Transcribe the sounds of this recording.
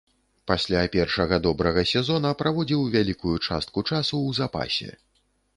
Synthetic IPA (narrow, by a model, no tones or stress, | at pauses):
pasʲlʲapʲɛrʂɐɣɐd̪ɔbɾɐɣɐsʲɛzɔnɐpɾavɔd͡zʲiwvʲalʲikujut͡ʂa̰st̪̚kut͡ʂasuwzapa̰sʲɛ̰